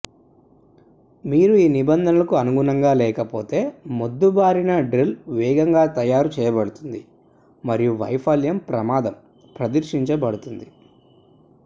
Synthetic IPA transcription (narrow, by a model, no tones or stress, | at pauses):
miːɾuiːnibɐnd̪ʱɐnɐlɐkuɐnuɡunɐŋɡaːlɛːkɐpo̞ːt̪e̞ːmod̪ːubaːɾinɐɖɾilʋɛːɡɐŋɡaːt̪ɐjaːɾut͡ʃɛːjɐbɐɽut̪und̪i | mɐɾijuʋɐ̰jpʰɐljɐmpɾɐmaːd̪ɐm | pɾɐd̪ɐɾʂiɲt͡ʃɐbɐɽut̪und̪i